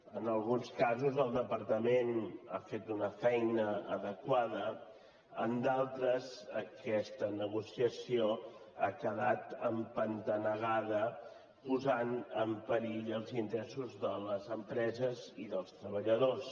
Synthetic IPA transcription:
ənəlˠɣunskazuzəlˠd̪əpəɾt̪əmena̰fet̪unəfɛjnəəðəkwaðə | ənd̪alˠt̪ɾəzəkɛst̪ənəɣusiəsioakəðat̪əmpənt̪ənəɣaðə | puzanəmpəɾiʎəlˠzint̪ɾɛsuzðələzəmpɾɛzəziðəlˠst̪ɾəβəʎəðos

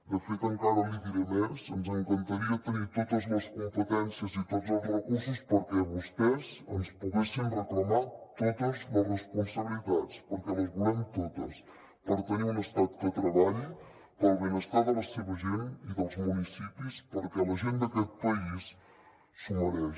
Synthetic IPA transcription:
d̪əfet̪əŋkaðəliðiɾəmezənzəŋkənt̪əɾiət̪ənit̪ot̪əzləskumpət̪ɛnsiəzit̪od͡zəlˠzrəkuɾsuspəɾkɛβust̪ɛzənspuɣesinrəkləmat̪ot̪əzlərrəspunsəβilit̪at͡spəɾkɛləzβulɛmt̪ot̪ə̰s | pəɾt̪əniunəst̪at̪̚d̪ət̪ɾəβaʎ | t̪əlˠβənəst̪aðələsəβəzoniðəlˠzmunisipispəɾkɛləʒend̪əkɛt̪̚pəisː | uməɾɛ

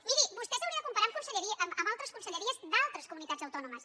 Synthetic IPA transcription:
miɾibust̪ɛsəwɾiəðəkumpəɾamkunsəʎəɾiʔməmbalˠt̪ɾəskunsəʎəɾiəzd̪alˠt̪ɾəskumunit̪ad͡zəwt̪ɔnuməs

